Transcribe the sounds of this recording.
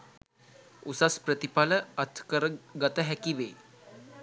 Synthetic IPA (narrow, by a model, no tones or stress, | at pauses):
usaspɾət̪ipaləɐt̪ʰkəɾəɡət̪əɦækiʋeː